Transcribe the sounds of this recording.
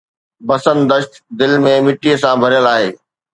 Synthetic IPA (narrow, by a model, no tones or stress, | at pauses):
bɐsənd̪əʃt̪d̪ɪlmẽmɪʈiəsãbʱɐɾjəlaːɦeː